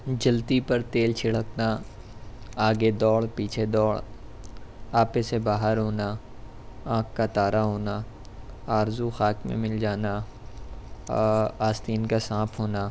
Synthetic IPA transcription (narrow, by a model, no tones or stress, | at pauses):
d͡ʒɐlt̪ipəɾt̪eːlt͡ʃʰɪɽ̤əkna | aːɡed̪ɔːɽpiːt͡ʃʰed̪ɔːɭ | aːpesebaːɦəɾɦoːna | ãːkʰkat̪aːɾaɦoːna | aːɾzuxaːkmḛ̃mɪld͡ʒaːna | aːst̪iːnkasãːpʰɦoːna